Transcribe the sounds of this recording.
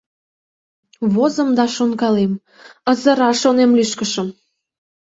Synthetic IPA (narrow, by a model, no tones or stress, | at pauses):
βozə̆md̪ɑʃonkɑlem | əzə̆ɾɑʃonemlyʃkəʃə̆m